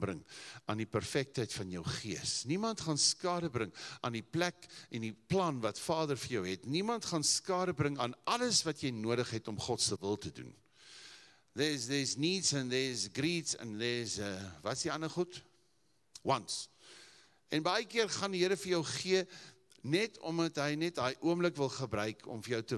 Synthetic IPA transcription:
brəŋɑ̰ːndipærfɛk̚tɦəjtfɐnjəwχiəsnimɐntχɐnskɑːɾəbrəŋʔɑːndiplækʔɛndiplɐnvɐtfɑːdərfərjœwɦɛtnimɐntχɑnskɑːɾəbrəŋɑːnɐləsvɐtjɛjnuəɾəχɦɛtɔmχɔtsəvəlˠtədṵn | ðɛsðɛːsniːtsənðɛːsɡritsə̰nðɛːsəvɐtsdiɐnəχut | wɐns | ɛnbɐjəkiərχɐndiɦəɾəfərjəwχiə | nɛtʰɔ̰mdɐtɦəjnɛt̚dɑːjʔuəmləkvəlˠχəbɾœɥkʰɔ̰mfərjœwtə

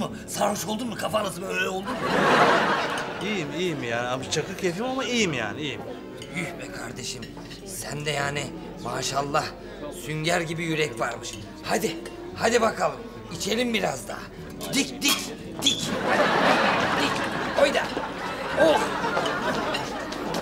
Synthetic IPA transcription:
mu | saɾvuʃko̞lˠd̪umɯkʰafalˠat̪ɯmøjlʲɛo̞lˠd̪um | ijimijimijaːniamt͡ʃʰakɯkʰef̬imamaijimja̰ːniijim | jyçmɛkʰaɾd̪e̞ʃim | sænd̪ɛjaːnɪ | maːʃalˠːah | syɲɟæɾɟibijyɾɛcvaɾmɯʃ | had̪i | had̪ibakʰalˠɯm | it͡ʃʰe̞lʲimbiɾazd̪a̰ː | d̪icd̪ic | d̪icaiad̪icojd̪a | o

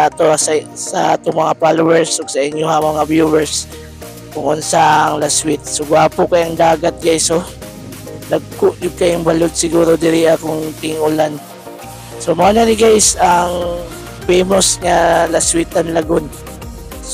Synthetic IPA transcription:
at̪ossɐʔt̪oŋmɐŋapalowɛɹsoɡsɐʔɪɲjohamɐŋabjuːwɛɹs | kʊŋʊnsaʔɐŋlaswɪt̪̚sʊɡʊaːpʊkɐjɐŋd̪aːɡɐt̪̚ɡajso | nɐɡ̚kʊʔjʊɡ̚kɐjʊŋbɐlod̪̚sɪɡuːɾod̪ɪɾɪʔakʊŋt̪ɪŋʔʊlan | somanɐnɪɡajsɐŋ | fejmosŋalaswit̪ɐnlɐɡon

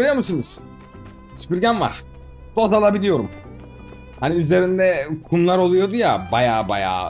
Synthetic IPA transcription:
øɾyjomusɯnuz̥ | yt͡ʃbiɾɟænva̰ɾ̥ | d̪̥ozalˠabilʲijo̞ɾum | haniyze̞ɾind̪ɛkʰumlˠaɾo̞lˠujo̞d̪uja̰bajaːba̰ja̰ː

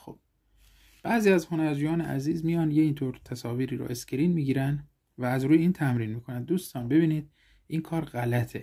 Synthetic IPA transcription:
xob̥̚ | b̥æziːæzho̞næɾd͡ʒujɒːneʔæ̰ziːzmijɒːnjeiːnt̪ʰoːɾt̪ʰæsɒːviːɾiːɾɔ̰ʔe̞scʲeɾiːnmiːɟiːɾænd̪ | væːzɾuːjeiːnt̪ʰæmɾiːnmiːkʰo̞nænd̪ːuːst̪ɒːnbe̞biːniːd̪̥ | ʔiːnkʰɒːɾɢælæt̪ʰe

